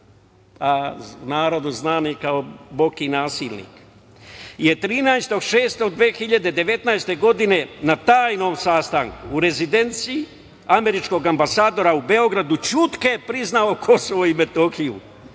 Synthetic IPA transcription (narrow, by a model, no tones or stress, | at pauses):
anaːɾod̪uznaːnikaobo̞kinaːsiːlnḭk | je̞t̪ɾiːnajst̪o̞ɡʃe̞ːst̪o̞ɡ̚d̪ʋeːxiʎad̪e̞d̪e̞ʋe̞t̪najst̪e̞ɡo̞d̪ine̞nat̪aːjno̞ːmsaːst̪aŋkuɾe̞zid̪e̞nt̪siː | ame̞ɾit͡ʃko̞ɡambasaːd̪o̞ɾaube̞o̞ɡɾad̪ut͡ʃut̪kepɾiznao̞kʰo̞soʋoime̞t̪oxiṵ